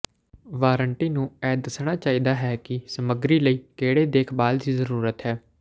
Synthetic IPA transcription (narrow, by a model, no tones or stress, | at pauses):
ʋaːɾəɳʈiːnũːɛːd̪əsɽ̃aːt͡ʃaːiːd̪aːɦɛːkɪsəməɡɾiːləiːkeːɽeːd̪eːkʰbaːld̪iːzəɾuːɾət̪ɦɛː